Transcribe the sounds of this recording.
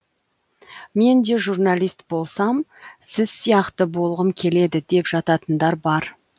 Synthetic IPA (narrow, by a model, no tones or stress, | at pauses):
me̞nd̪e̞ʒurnalijst̪bo̞lˠsɑmsɪzsijɑqt̪əbo̞lˠʁəmkʲʰe̞le̞d̪ɪd̪e̞pʒɑt̪ɑt̪ənd̪ɑɾbɑɾ